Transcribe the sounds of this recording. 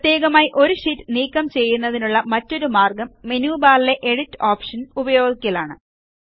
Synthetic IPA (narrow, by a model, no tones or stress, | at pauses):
pɐt̪je̞ːɣɐmaːjiʔo̞ɾuɕitːniːkːɐmt͡ɕe̞jːunːɐðinuɭːɐmɐtːo̞ɾumaːrɡɐmːenjuːbaːlile̞ʔeɽitːoːpʂɐnubɐjo̞ːɡikʲːɐlaːɳɨ